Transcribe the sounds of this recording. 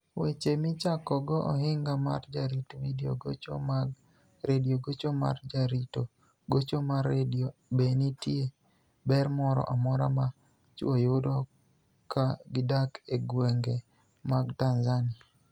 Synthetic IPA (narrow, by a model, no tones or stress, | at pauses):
wet͡ʃemɪt͡ʃakɔɡɔʔɔhɪŋɡama̰rd͡ʒaɾitowidjo̰ɡot͡ʃom | ɾedioɡot͡ʃoma̰rd͡ʒaɾito | ɡot͡ʃomaredobenitje | bɛrmɔɾɔ̰ʔamɔɾama | t͡ʃojʊdɔ | kaɡɪdakeɡweŋɡe | maɡtanzanɪa